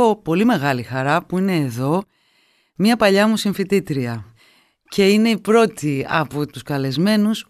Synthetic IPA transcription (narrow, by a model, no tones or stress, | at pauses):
opo̞lime̞ɣɐlixɐɾɐpuine̞ːðo̞ | miɐpɐʎɐmusiɱfit̪it̪ɾiɐ | ce̞ine̞ipɾo̞t̪iɐ̰pot̪uskɐle̞zme̞nus